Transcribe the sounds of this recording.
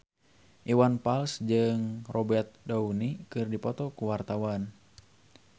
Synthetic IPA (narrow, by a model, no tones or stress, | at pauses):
ʔiwanpalsd͡ʒɨŋrʔɔbɛrt̪̚daunikɨrdipɔt̪ɔkuwart̪awan